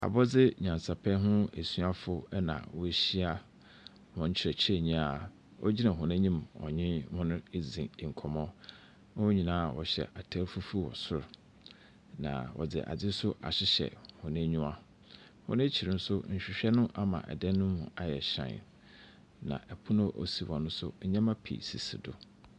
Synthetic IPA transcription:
a̰˨bɔ˦d͡zɪ˦ɲã˨nsa˨pʰɛ˦ɦʊ̃˦e˨su˦a˦fʊ˦nã̰˨wɔ˦e˦ɕi˦a˦ | hʊ̃˨ɲ̩˦t͡ɕʰɪ˨ɾɛ˨t͡ɕʰɪ˦e˦˨ɲĩ˦a˨ | wʔɔ̰˦d͡ʑi˦nã˨ɦʊ̃˨nẽ˦ɲĩ˦mɔ̰˨ɲɪ̃˦hʊ̃˦nʊ̃˦e˦zĩ˨ŋ̩˨kʰɔ˨mɔ̃˦ | nã˦wɔ˦ɲĩ˨nãː˦˨wɔ̰˨ɕɛ̰˨ʔa˨tʰæ˦ɾfu˦fu˦wɔ̰˨sʊ˦ɾ | nã̰˨wʔɔ̰˨d͡zɪ̰˨ʔa̰˨d͡zɪ˦sʊ˦ʔa̰˨ɕɪ˦ɕɛ̰˨hʊ̃˨nẽ˦ɲũ˦a˦ | hʊ̰̃˦nʊ̃˦t͡ɕʰi˨ɾɪ˨n̩˦sʊ˦ɲ̩˨ɕᶣɪ˨ɕᶣɛ˦nʊ̃˦ʔa˦mã̰˨ʔɛ̰˨dɛ˦nːʊ̃˦mũ˨a˨jɛ˨ɕã̰˨n̰˨ | nã̰˨ʔɛ˨pʰʊ˦nʊ̃˦ʔo̰˨si˨wɔ̃˨nʊ̃˦sʊ˦ɲã˦ma˦pʰḭ˨sḭ˨sḭ˨dʊ˦

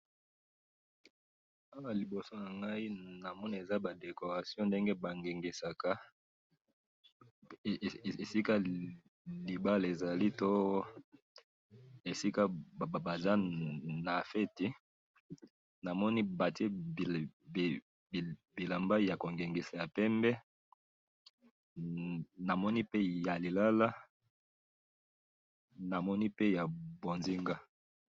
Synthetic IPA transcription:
a˦wa˨li˨bo˨so˦na˨ŋɡa˦i˦na˨mɔ˦ni˦e˨za˦ba˨de˨ko˨ʁa˨sjɔ̃˦nde˦ŋɡe˦ba˨ŋɡe˨ŋɡe˨sa˨ka˦˨ | e˨e˨si˦ka˦ | li˨ba˦le˨za˨li˦to˦ | e˨si˦ka˦˨ba˨za˦na˨fe˦ti˦ | na˨mɔ˦ni˦ba˨te˦˨ | bi˨la˨mba˦ja˨ko˨ŋɡe˨ŋɡi˨sa˨ja˨pɛ˦mbɛ˦ | na˨mɔ˦ni˦pe˦ja˨li˨la˦la˦ | na˨mɔ˦ni˦pe˦ja˨bo˨nzi˦ŋɡa˦

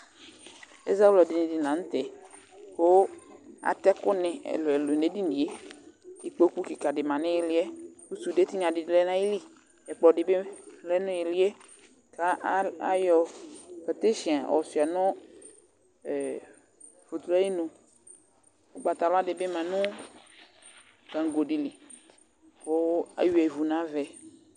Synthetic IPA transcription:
ḛ˦za˦wlɔ˨di˨nẽ˨di˨nã˨˦ŋ̩̃˦t̪ɛ˨ | xo˦a̰˨t̪ɛ˦kʊ˦nɛ̃˨ḛ˨lo˨e˨lo˨n˨e˦di˦di˨e˦ | i˨k͡po˦ku˦ki˨ka˨ɖe˨mã˨nẽ˦je˨li˦ɛ˦ku˦su˨de˦t̪i˦ɲã˨di˨dle˦nã˦ji˦li˦ | ɛ˨k͡pɔ˨ɖe˨be˦le˦nũ˦je˨li˦ɛ˦ | ka˦a˦jɔ˨ka˨t̪e˦ʃi˨a˨ɔ̰˨si˨a˨nɔ̃˦˨ | fo˨t̪la˦i˦nõ˨ | o˦ɡ͡ba˨t̪a˨lɔ˦a˦de˨be˦mã˨nũ˦ | kã˨ŋ˨ɡo˨ɖi˨li˨ | ko˦a̰˨ju˦ɛ˨vu˨nã˨˦vɛ˨

